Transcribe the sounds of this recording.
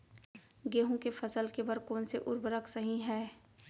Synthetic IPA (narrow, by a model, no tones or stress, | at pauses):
ɡeːɦõkefɐsəlkebɐɾkoːnseʔʊɾbəɾəksɐɦĩɦɛː